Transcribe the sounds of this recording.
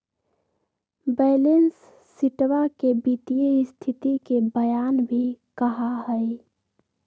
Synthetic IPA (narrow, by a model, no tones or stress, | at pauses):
beːlensː | ɪʈwakebit̪ijeist̪ʰɪt̪ikebəjaːnbʱikəɦaɦəj